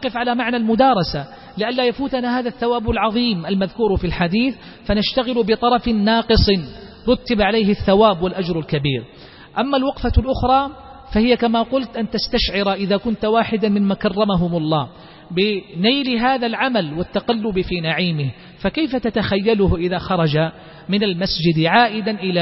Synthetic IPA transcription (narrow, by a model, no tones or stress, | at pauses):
nɑqɪfʕalamaʕnalmʊd̪ɑːɾˤɑsa | lɪʔanlaːjafuːt̪anahaːðaθːawaːbalʕɑðˤiːmʔalmaðkuːɾfilħad̪iːθ | fanaʃt̪aɣɪlʊbɪt̪ˤɑɾˤɑfɪːɑːqɨsˤɨn | ɾˤʊt̪ːabʕalejɦɪθːawaːbwalʔad͡ʒɾˤalkabiːɾ | ʔamːalwɑqfalʔʊxɾˤɑː | fahɪjakamaːqʊlt̪ʔant̪ast̪aʃʕɪɾaʔɪðaːkʊnt̪waːħɪd̪amɪmmaːkɑrˤːɑmaɦʊmʊlˤːɑː | bɪnajlɦaːðalʕamalwɪt̪ːaqalːʊbɪfiːnaʕiːmɪh | fakajfat̪at̪axajːalʊhʔɪðaːxɑɾˤɑd͡ʒa | mɪnalmasd͡ʒɪd̪ʕaːʔɪd̪anʔɪla